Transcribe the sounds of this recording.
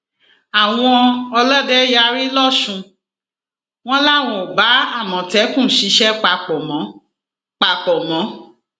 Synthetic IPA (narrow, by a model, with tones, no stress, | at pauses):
a˨w̃ɔ̃˧ɔ˧lɔ˦dɛ˦ja˦˧ɾi˦lɔ˦˨ʃũ˧ | w̃ɔ̃˦la˦˨w̃ɔ̃˨ba˨˦a˦˨mɔ̃˨tɛ˨˦kũ˦˨˦ʃi˨˧˦ʃɛ˦k͡pa˧k͡pɔ˨mɔ̃˨˦ | k͡pa˨k͡pɔ˨mɔ̃˨˦